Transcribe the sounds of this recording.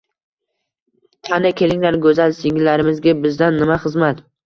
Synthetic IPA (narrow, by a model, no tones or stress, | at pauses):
t̪ʰanɪkʲʰe̞lɪŋlaɾɡɵzalsɪŋɪlːaɾɪmɪzɡʲabɪzd̪anːɪmaχɨzmat̪